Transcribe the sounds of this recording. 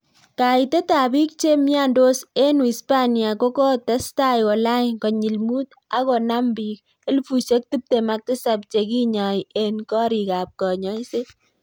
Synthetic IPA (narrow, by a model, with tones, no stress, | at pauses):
ka˨ite˦ta˨bi˦k̚t͡ʃe˦mja˦ndo˦se˦nu˨i˨spa˦nja˨ko˦kɔ˦tɛ˦sta˦jwɔ˨la˦kɔ˨ɲi˨lmu˦t̚ | a˦kɔ˨na˦mbi˨k | e˦lfu˨ʃe˦k̚ti˦p̚te˨mak̚tɪ˦sa˨p̚t͡ʃe˨ki˦ɲa˨je˦nkɔ˦ɾi˨ka˨p̚kɔ˨ɲɔ˦jse˦